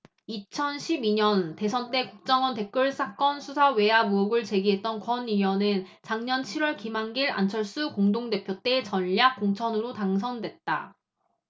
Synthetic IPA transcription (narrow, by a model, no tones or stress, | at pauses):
it͡ɕʰʌnɕʰibiɲʌnte̞sʰʌnt͈e̞kuk̚t͡ɕ͈ʌŋwʌnte̞k͈ʌɭs͈ak͈ʌnsʰusʰawe̞amuoɡɯɭt͡ɕe̞ɡiɦe̞t̚t͈ʌnkwʌnijʌnɯn | t͡ɕaŋɲʌnt͡ɕʰiɾwʌɭkimaŋɡiɾa̰nt͡ɕʰʌɭs͈ukoŋdoŋde̞pʰjot͈e̞t͡ɕʌnʎːak͈̚ːoŋt͡ɕʰʌnɯɾotaŋs̬ʰʌndwe̞t̚t͈a̰